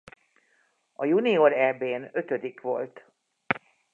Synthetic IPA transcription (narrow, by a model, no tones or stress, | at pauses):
ɒjunioɾɛbeːnø̞t̪ø̞d̪ikʋo̞lt̪